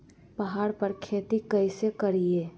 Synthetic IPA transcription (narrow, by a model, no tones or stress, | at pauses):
pɐɦaːɽpɐɾkʰeːt̪ikəɪsekəɾieː